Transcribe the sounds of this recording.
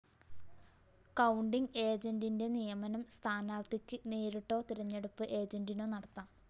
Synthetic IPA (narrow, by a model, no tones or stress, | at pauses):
kɐwɳɖiŋe̞ːd͡ʑɐndinde̞nijɐmɐnɐmst̪ʰaːnaːɾt̪ikʲːɨneːɾiʈːo̞ːt̪iɾɐɲːeɽupːɨʔe̞ːd͡ʑɐndinoːnɐɽɐt̪ːaːm